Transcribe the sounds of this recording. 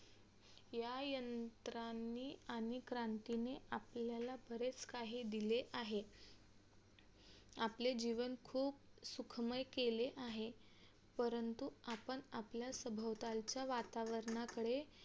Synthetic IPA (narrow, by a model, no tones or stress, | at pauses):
jajənt̪ɾanːiːanikɾant̪ineapljalabʱəɾet͡skaɦiːd̪ileʔaɦe | apled͡ʑiʋənkʰuːp̚sukʰməjkeleʔaɦe | pəɾənt̪uapəɳapljasəbʱəʋt̪alt͡ɕjaʋat̪aʋəɾɳakəɽe